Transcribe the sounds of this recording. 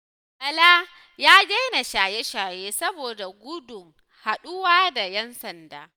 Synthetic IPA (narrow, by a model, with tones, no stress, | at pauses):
ʔɐ˨laː˦ | jaː˦d͡ʒɐ˦jna˨ʃaː˨je˦ʃaː˨jeː˦sɐ˦boː˨da˨ɡʷʊ˦dʊ˨ŋ | ha˨ɗʊ˦waː˦da˨jɛ˦nsɐ˨ndaː˦